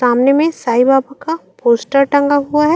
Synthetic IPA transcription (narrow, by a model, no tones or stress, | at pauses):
aːmnemẽsaːibaːbakapoːsʈəɾʈɐ̃ŋɡaɦuaɦɛ